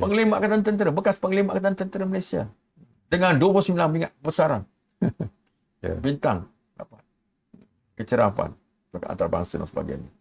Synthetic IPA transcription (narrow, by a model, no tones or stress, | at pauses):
pəŋlimaʔkat̪̬ant̪ənt̪əɾəbəkaspəŋəlimaʔkat̪ant̪ənt̪əɾəməlajsia̰ | dəŋanduapusmilanmiŋaʔ̚kəbəsaɾan | bint̪a̰ŋ | a̰pa | kət͡ʃəɾapa̰n | əkaʔa̰nt̪aɾaba̰ŋsəda̰ŋsəba̰ɡa̰ɲi